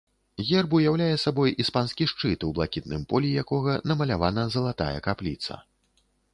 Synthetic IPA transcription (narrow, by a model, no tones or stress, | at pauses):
ɣʲɛrbujawlʲajɛsabɔjʔispansʲkʲiʂt͡ʂɨt̪wblˠakʲit̪̚nɨmpɔlʲijakɔɣɐnɐmɐlʲavanɐzɐlˠat̪a̰jɛ̰kaplʲḭt̪sɐ̰